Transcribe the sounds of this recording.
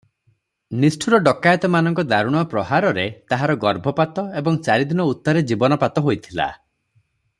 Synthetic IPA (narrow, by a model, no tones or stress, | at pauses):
nisʈʰuɾɔɖɔkajɔt̪ɔmanɔŋkɔd̪aɾuɽ̃ɔpɾɔɦaɾɔɾet̪aɦaɾɔɡɔɾbʱɔpat̪ɔebɔŋt͡ʃaɾid̪inɔut̪ːɔɾed͡ʒibɔnɔpat̪ɔɦojt̪ʰila̰